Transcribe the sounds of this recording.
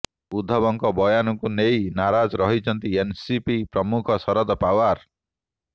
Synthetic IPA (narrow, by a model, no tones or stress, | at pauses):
ud̪ʱːɔbɔŋkɔbɔjanɔkunejnaɾad͡ʒɔɾɔɦit͡ʃʰɔnt̪iensipipɾɔmukʰɔsɔɾɔd̪ɔpawaɾ